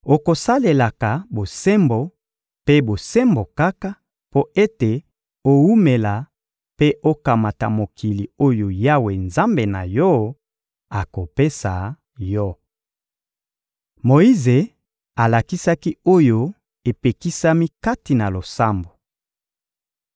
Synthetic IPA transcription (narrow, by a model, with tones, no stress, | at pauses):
o˨ko˨sa˦le˨la˨ka˨bo˨sɛ˦mbo˨ | pe˦bo˨sɛ˦mbo˨ka˦ka˦ | po˦e˦te˨ | o˦wu˦me˨la˨ | pe˦ʔo˦ka˨ma˨ta˨mo˨kʰi˨li˨o˦jo˨ja˦we˨nza˦mbe˨na̰˨jɔ˦ | a˨ko˨pe˦sa˨ | jɔ˦ | mo˨i˦ze˨ | a˨la˨ki˦sa˦ki˦o˦jo˦ | e˨pe˨ki˦sa˦mi˦ka˦ti˨na˨lo˨sa˦mbo˨